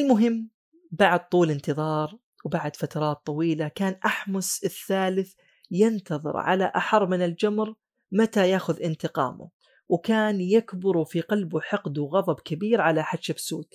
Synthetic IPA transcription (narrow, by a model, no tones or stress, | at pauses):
ʔɪlmʊɦɪmː | baʕd̪̚t̪ˤuːlɪnt̪ɨðˤɑːɾˤ | wbaʕd̪fat̪ɑɾˤɑːt̪ˤːɑwiːlakaːnʔaħmʊsɪθːaːlɪθ | jɪnt̪ɑðˤɨ̰ɾʕa̰la̰ʔa̰ħɑrˤːmɪnɪld͡ʒamɾ | mat̪ajaːxʊðʔɪnt̪ɪqɑ̰ːmʊ̰ | wkaːnjakbʊɾufiqɑlbuħɪqd̪uɣɑðˤɑbkabiːɾʕalaħaʃabsuːt̪